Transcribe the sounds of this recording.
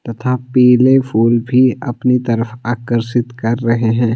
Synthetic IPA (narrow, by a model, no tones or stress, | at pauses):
t̪ɐt̪ʰapɛːlefʰuːlbʱiɐ̰pnit̪ɐɾəfaːkəɾsɪt̪kɐɾːɐɦeɦɛ̃ː